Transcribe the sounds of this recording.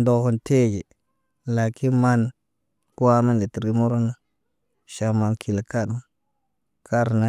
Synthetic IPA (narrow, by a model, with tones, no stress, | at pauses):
ndo˨ko˨nte˦˨d͡ʒi˨ | la˨kʰi˦nma˦n | ku˦a˦ma˦nle˨ti˨ɾɡi˦mo˦ɾo˦na˦ | ʃa˨ma˨nkʰi˨la˨ka˦du˨ | ka˦ɾna˦